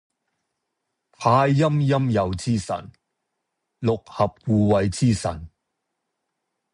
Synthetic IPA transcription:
p̪ʰaː˧jːɐ˥mjɐ˥mjɐ˨wt͡siː˥sɐ̰˨˩n | lʊ˨k̚hɐ˨p̚wuː˨wɐ˨jt͡siː˥sɐ̰˨˩n

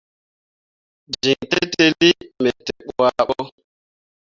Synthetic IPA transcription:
d͡ʒi˨ŋte˦te˦li˦mɛ˨te˨ɓɔ˨wa˦ɓɔ˦

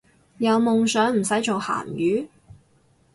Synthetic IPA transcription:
jɐ˨˧wmʊ˨ŋsœː˨˥ŋm̩˨˩sɐ˨˥jt͡ʃo˨wha̰ː˨˩njyː˨˥

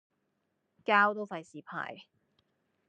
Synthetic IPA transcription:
kaː˥wt̪o˥wfɐ˨˧jsiː˨pʰa̰ː˨j

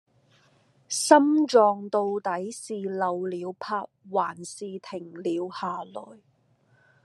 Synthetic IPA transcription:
sɐ˥mt͡ʃɔː˨˧ŋt̪o˧wt̪ɐ˨˥jsiː˨lɐ˨˧wliː˨˧wpʰaː˧t̚waː˨˩nsiː˨˧t̪ʰɪ˨˩ŋliː˨˧whaː˨lɔː˨˩j

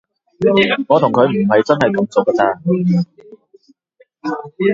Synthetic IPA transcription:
ŋɔː˨˧t̪ʰʊ˨˩ŋkʰɵ˨˧ɥm̩˨˩ɦɐ˨jt͡sɐ˥nhɐ˨jt̪ʊ˨˥ŋt͡sʊ˨˥kːɐː˧t͡saː˧

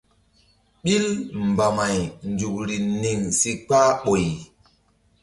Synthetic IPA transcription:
ɓi˦lm˨ba˨ma˨jnd͡ʒu˨k̚ɾi˨ni˨ŋsi˦k͡paː˦ɓo˨j

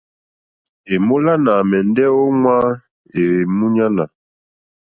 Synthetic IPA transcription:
e˨mo˦la˦na˨mɛ˨ndɛ˦o˦ŋwa˦ | e˨mu˦ɲa˦na˨

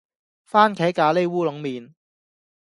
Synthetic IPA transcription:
faː˥nkʰɛː˨˥kaː˨˧le˥jwuː˥lʊ˨˥ŋmiː˨n

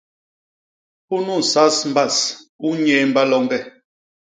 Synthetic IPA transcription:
pu˦nu˦˨n̩˨sa˦sm̩˦ba˦˨su˦ɲɛː˨˦m˦ba˦lɔ˦ŋɡɛ˦˨

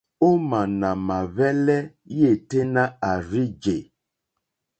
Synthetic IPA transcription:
o˦ma˨na˨ma˨βɛ˦lɛ˦je˦˨te˦na˦a˨ɾi˦d͡ʒe˨

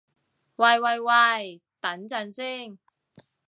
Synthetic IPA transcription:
wɐ˨jwɐ˨jwɐ˨˩j | t̪ɐ˨˥nt͡sɐ˨˧nsiː˥ŋ

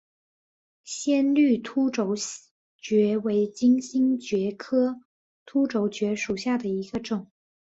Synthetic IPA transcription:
ɕjɛ˥˧nly˥˩t̪ʰu˥ʈ͡ʂo˨˩˥ʊ | t͡ɕɥɛ˧˥we˧˥ɪt͡ɕi˥ŋɕi˥ŋt͡ɕɥɛ˧˥kʰɤ˥ | t̪ʰu˥ʈ͡ʂo˧˥ʊt͡ɕɥɛ˧˥ʂu˨˩ɕja˥˩d̪ə˩i˧˥ɡ̥ə˧ʈ͡ʂʊ˨˩˦ŋ

